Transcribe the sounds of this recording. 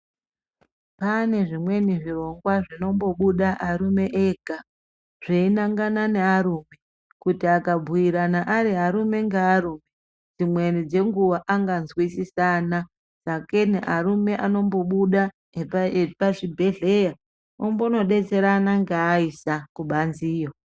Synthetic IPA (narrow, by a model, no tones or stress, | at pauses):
pane̞ʐimwe̞niʐiro̞ŋɡwaʐino̞mbo̞ɓuɗaʔaɾume̞ʔeɡʱa | ʐ̥einaŋɡanane̞aɾuːme̞ | kutiakabʱuiɾanaʔaɾiɦaɾume̞ŋɡeaɾuːme | d͡zimwe̞nid͡ze̞ŋɡuʋaʔaŋɡanzwisisana | sake̞nḛʔaɾume̞ʔano̞mbo̞ɓuɗa | paʐibʱe̞ɮe̞ja | ombono̞ɗe̞t͡se̞ɾanaŋɡeːisakuɓanziːjo